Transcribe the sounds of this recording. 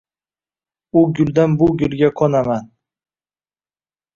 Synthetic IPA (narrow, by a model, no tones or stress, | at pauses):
ʊɡʲʊld̪anbʊɡʲʊlɡʲakʰonaman